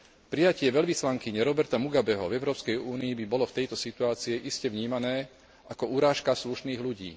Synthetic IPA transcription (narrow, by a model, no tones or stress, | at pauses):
pɾijacɪɛʋɛʎʋislaŋkiɲɛɾɔbɛɾt̪amuɡabɛɦɔvɛʊɾɔːpskɛjuːniibibɔlɔft̪ɛjt̪ɔsit̪uaːt͡siɛʔiscɛʋɲiːmanɛː | ʔakɔuɾaːʃkasluʃniːɣluɟḭː